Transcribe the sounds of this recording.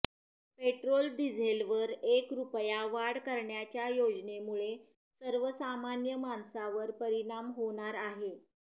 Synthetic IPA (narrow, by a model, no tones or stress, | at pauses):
peʈɾold̪id͡zʱelʋəɾekɾupjaʋaɽkəɾɳjat͡ɕjajod͡znemuɭe | səɾʋəsamanjəmansaʋəɾpəɾiɳ̃amɦoɽ̃aɾaɦe